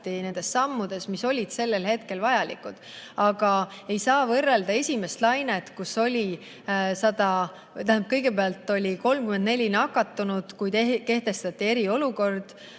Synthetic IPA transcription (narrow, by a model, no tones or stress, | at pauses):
t̪ːine̞nd̪̥e̞sːɑmːud̪̥e̞smiso̞lʲid̪̥se̞lːe̞lhe̞t̪ke̞lvɑjɑlḭkːud̪̥ɑɡ̥ɑe̞jsɑːvɤrːe̞ld̪ɑe̞sʲime̞st̪lɑjnet̪kusːo̞lʲi | sɑd̪ɑ | t̪æhænp̚kɤjɡ̥e̞peɑlt̪ːˑo̞lʲiko̞lmkymend̪ne̞lʲinɑkːɑt̪ːˑunud̪̥kujt̪eke̞ht̪e̞st̪ɑt̪ʲːˑie̞ɾio̞luko̞rd̪̥